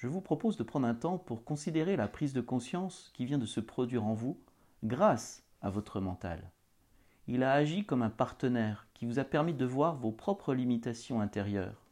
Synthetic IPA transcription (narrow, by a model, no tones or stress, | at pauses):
ʒ̥əvupχɔpozd̪əpχɑ̃d̪ʁɛ̃t̪ɑ̃puʁkɔ̃sid̪eʁelapχizd̪əkɔ̃sjɑ̃skʲivjɛ̃d̪əsəpχɔd̪ɥiʁɑ̃vu | ɡʁas | avɔt̪χəmɑ̃t̪a̰l | ilaːʒikɔmɛ̃paʁt̪ənɛʁkʲivuzapɛʁmid̪əvwaʁvopχɔpχəlimit̪asjɔ̃ɛ̃t̪eʁjœ̰ːʁ